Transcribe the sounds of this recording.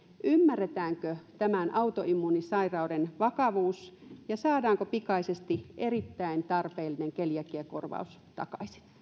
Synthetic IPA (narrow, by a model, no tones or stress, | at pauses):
ʔymːærːet̪æːŋkøt̪æmænʔɑut̪oimːuːnisɑirɑudenʋɑkɑʋuːsjɑsɑːdɑːŋkopikɑisest̪iʔerit̪ːæint̪ɑrpeːlːineŋkeljækiæko̰rʋɑ̰us | t̪ɑ̰kɑ̰isi̥n